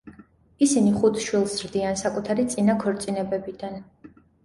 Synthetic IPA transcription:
isiniχut̪ʰʃwilˠsɾd̪iansakʼut̪ʰaɾit̪sʼinakʰɔɾt̪sʼinɛbɛbid̪an

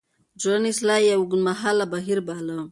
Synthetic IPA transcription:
d͡ʒonislajawɡunmaɦalabaɦiɾbalə

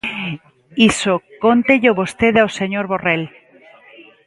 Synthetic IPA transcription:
isokont̪eʎoβost̪eðaoseɲoɾβorel

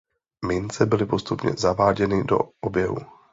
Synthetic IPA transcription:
mɪnt͡sɛbɪlɪpo̞st̪upɲɛ̰zavaːɟɛnɪdo̞̰ʔobjɛɦṵ

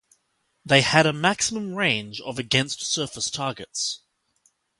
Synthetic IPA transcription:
ðeɪəɾəmæksəmə̃mɹẽɪ̃nd͡ʒə̰vəɡɛ̃nstsɜˑfəstʰɑːɡəts

